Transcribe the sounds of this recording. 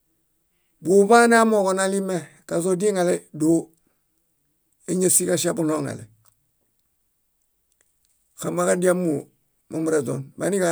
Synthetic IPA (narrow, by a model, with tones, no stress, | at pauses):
bu˨ba˦n˦a˦mo˨ko˨na˦li˦me˦ | ka˨zo˦di˦ŋa˨le˦do˦ | e˦ɲe˦si˦ka˦ʃa˦bu˦no˦ŋa̰˨lḛ˨ | xa˨ma˦ka˦di˦a˦mːu˨ | ma˨mu˨ɾe˨do̰˨nma˦ni˦ka˨